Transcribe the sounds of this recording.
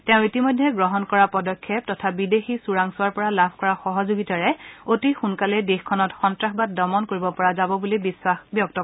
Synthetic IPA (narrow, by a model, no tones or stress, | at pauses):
tɛʊ̃itimɔjdʱːɛɡɹɔɦɔnkɔɹapɔdɔkʰːɛp̚tɔtʰabidexisuɹaŋsʊwaɹpɔɹalabʱkɔɹaxɔɦɔzoɡitaɹɛotixunkalɛdexkʰɔnɔtxɔntɹaxbat̚dɔmɔnkoɹibɔpɔɹazabɔbulibiswaxbjɔk̚tɔ